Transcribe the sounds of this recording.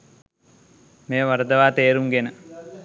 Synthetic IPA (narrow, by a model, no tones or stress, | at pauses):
meːʋɐɾəd̪ɐʋaːt̪eːɾuŋɡenə